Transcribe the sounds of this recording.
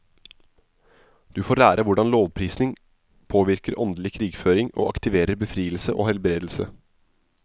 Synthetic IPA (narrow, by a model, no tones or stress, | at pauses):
d̪̥ʉːfoːɾlæːɾʔəʋʊɖɑnloːʋpʰɾiːsnɪŋ | pʰoːʋɪɾkəɾʔɔnd̪lɪkʰɾiːɡføːɾɪŋo̰ːʔɑkt̪ɪʋeːɾəɾbəfɾiːəlsəʔo̰ːhɛlbɾeːd̪l̩sə̰